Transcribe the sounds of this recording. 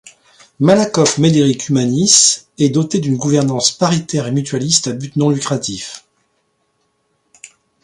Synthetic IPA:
malakɔfmed̪eʁikʰymanisɛd̪ɔt̪ed̪ynɡuvɛʁnɑ̃spaʁit̪ɛʁemyt̪ɥalist̪abyt̪nɔ̃lykχat̪if

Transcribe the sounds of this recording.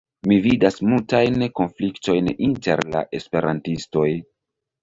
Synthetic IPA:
mividasmultajnko̞nflikto̞jninte̞̰ɾla̰ʔe̞spe̞ɾʔa̰ntisto̞j

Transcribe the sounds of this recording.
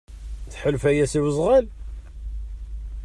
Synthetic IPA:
θħəlfæjæsiwəzˤʁæl

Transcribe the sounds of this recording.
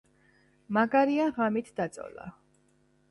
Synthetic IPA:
maɡaɾiaʁamit̪ʰd̪at̪sʼɔ̰la̰

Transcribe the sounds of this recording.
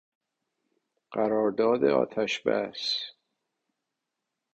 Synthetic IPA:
ɢ̥æɾɒːɾd̪ɒːd̪eɒ̰ːt̪ʰæʃbæ̰s

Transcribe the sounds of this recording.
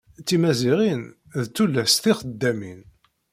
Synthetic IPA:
t͡sːimæziʁin | ðt͡sːulːæsθiχəd̪ːæmḭn

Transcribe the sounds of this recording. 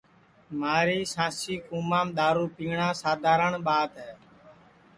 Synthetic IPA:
maːɾiːsãːsiːkũːmãːmɗ̪aːɾuːpĩːɳãːsaːd̪ʱaːɾəɳɓaːt̪ɦɛː

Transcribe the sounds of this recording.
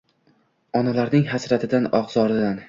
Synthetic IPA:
ɒnalaɾnɪŋɦasɾat̪ʰɪd̪anɒqz̥ɒɾɪd̪an

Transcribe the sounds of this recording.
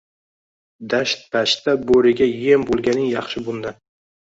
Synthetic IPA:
d̪aʃt̪̚pʰaʃt̪aboɾɪɡʲajembolˠɡʲanɪŋjɑχʃɪbʊnd̪a

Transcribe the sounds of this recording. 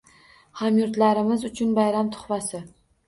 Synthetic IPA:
hamjʊɾt̪laɾɪmɪzʊt͡ʃʰʊnbajɾamt̪ʰʊ̥χvasɪ

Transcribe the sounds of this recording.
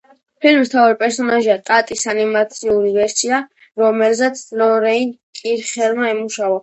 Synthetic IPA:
pʰilmist̪ʰaɔɾipʼɛɾsɔnaʒiat̪ʼat̪ʼisanimat̪sʰiuɾivɛɾsia | ɾɔmɛlzɛt̪sʰlɔɾɛinkʼiɾχɛlmaɛmuʃavɔ

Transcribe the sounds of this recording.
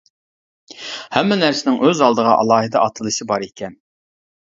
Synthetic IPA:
hɛmːɪnæɾsɪnɪŋʔøzɑlˠd̪əʁɑ̰ʔɑ̰lˠɑːɦɨd̪ɑʔɑt̪ʰɨlˠɨʃibɑɾekʲʰɛn

